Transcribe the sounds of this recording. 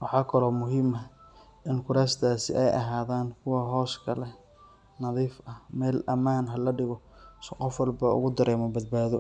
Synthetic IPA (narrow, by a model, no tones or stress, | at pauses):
wɑħɑːkʰɐlɔːmʊɦɪmɐ | ʔɪnkʰʊɾaːst̪ʰaːsɪ̰ʔɛjʔɐ̰ɦaːðaːnkʰʊwɐɦɔːskʰɐlɛ | nɐðiːfɐhmɛːlʔɐmaːnɦɐlɐɖɪɣɔsqɔfwɐlbɐʊ̰ɣʊd̪ɐɾɛːmɔbɐd̪̚baːðɔ